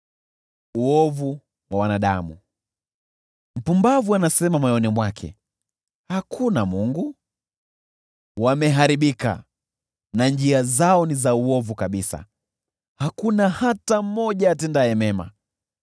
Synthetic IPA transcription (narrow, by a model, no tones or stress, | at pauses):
uɔvu | wawanaɗa̰mṵ | m̩pumbavuanasɛmamajɔnimwakʰɛ̰ | hakʰunamuŋɡu | wamɛɦaɾiɓika̰ | nand͡ʒiazaɔnizauɔvukaɓisa̰ | hakunahatamɔʄaːtɛndaɛmɛma̰